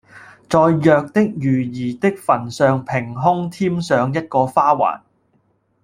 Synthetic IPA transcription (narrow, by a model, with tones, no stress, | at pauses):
t͡sɔː˨˧jːœː˨˧k̚t̪ɪ˥k̚jyː˨˩jiː˨˩t̪ɪ˥k̚fɐ˨˩nsœː˨˧ŋpʰɪ˨˩ŋɦʊ˥ŋt̪ʰiː˥msœː˨˧ŋjɐ˥t̚kɔː˧faː˥wa̰ː˨˩n